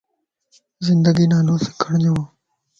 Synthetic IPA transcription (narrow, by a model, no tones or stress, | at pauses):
zɪnd̪əɡiːnaːnoːse̥ːkʰəɳd͡ʒoãː